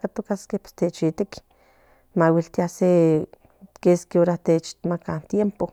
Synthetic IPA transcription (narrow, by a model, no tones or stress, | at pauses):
kat̪okaskehpe̥st̪et͡ʃit̪ek | mawilt̪iase | keskeoɾat̪et͡ʃt̪makant̪jempo